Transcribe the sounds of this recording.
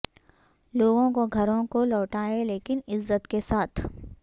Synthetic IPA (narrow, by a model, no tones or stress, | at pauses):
loːɡõkoɡʱɐɾõkolɔːʈaːeleːkɪnɪzːət̪kesaːt̪ʰ